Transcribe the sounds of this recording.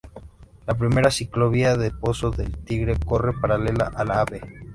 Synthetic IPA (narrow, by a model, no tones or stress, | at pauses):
lap̬ɾime̞ɾasikloβiaðepo̞soðelt̪iɣɾe̞ko̞re̞paɾale̞la̰ʔalaβe